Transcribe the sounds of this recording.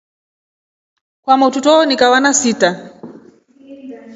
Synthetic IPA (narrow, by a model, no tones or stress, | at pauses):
kwamɔtutɔnikawanasita